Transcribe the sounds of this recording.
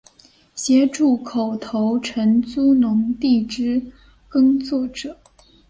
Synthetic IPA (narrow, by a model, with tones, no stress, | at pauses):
ɕjɛ˧˥ʈ͡ʂu˥˩kʰo˨˩ʊt̪ʰo˧˥ʊʈ͡ʂʰə˧˥nt͡su˥nʊ˧˥ŋt̪i˥˩ʈ͡ʂɻ̩˥ | kɤ˥ŋt͡swɔ˥˩ʈ͡ʂɤ˨˩˦